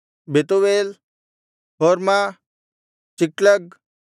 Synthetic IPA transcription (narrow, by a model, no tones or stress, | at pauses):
bʱet̪oʋeːl | ɦoːɾma | t͡ɕikləɡ̚